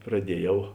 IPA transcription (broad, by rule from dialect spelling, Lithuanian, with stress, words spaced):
prɐˈdʲiɛˌjɛʊ